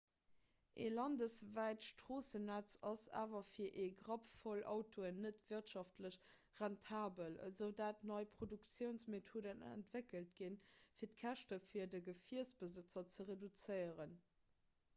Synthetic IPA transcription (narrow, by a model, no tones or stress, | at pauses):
ʔelɑndəsvæɪtʃtʁ̥oːsənæt͡sɑsa̰ːvɐfiːɐʔeːɡʁɑpfolʔɑ̰ʊtʰoənːətv̥iɐtʃɑftʰləɕ | ʁɛntʰaːbələ̰zəʊdaːtnɑɪpʁ̥odukt͡sjəʊnsmetʰoːdənæ̰ntv̥ekəlt̚ɡinfiːɐtkʰæʃtəfiːɐdəɡəfiɐsb̥əzət͡sɐt͡səʁedut͡səɪəʁən